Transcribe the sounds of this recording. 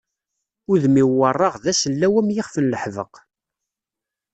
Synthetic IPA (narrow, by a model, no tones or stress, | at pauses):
ʊðmiwːərˤːɑʁðæsəlːæwæmjɪχfənləħvə̰q